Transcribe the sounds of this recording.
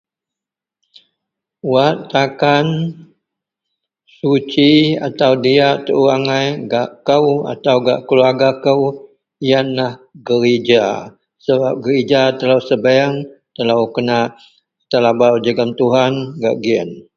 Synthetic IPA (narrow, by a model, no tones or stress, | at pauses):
waʔt̪akan | sut͡ʃia̰t̪awdiaʔt̪əʔuaŋajɡaʔkəwa̰t̪awɡa̰ʔkəluaɡakəw | ijanlahɡəɾid͡ʒa | səbap̚ɡəɾid͡ʒat̪əlawsəbaaŋt̪əlawkənaʔ | t̪əlabawd͡ʒəɡamt̪uɦanɡa̰ʔɡiə̰n